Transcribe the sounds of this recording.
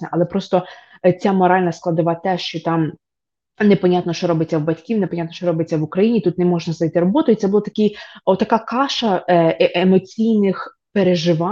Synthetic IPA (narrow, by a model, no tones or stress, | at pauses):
nɛʔɐlˠɛpɾɔst̪ɔ | t͡sʲamɔɾɑlʲnɐsklˠɐd̪ʊʋɑt̪ɛʃt͡ʃɔt̪ɑm | nepɔnʲat̪nɔʃt͡ʃɔɾɔbet͡sʲːɐwbɐtʲkʲiwnepɔnʲat̪nɔʃt͡ʃɔɾɔbet͡sʲːɐʋʊkɾɐjinʲit̪ut̪nɛmɔʒnɐznɐjt̪ɪɾɔbɔt̪ʊit̪sɛbʊlˠɔt̪ɐkʲɪjɔt̪t̪ːɐkɑkɑʃɐʔemɔt͡sʲijnɪx | peɾeʒɪʋɑ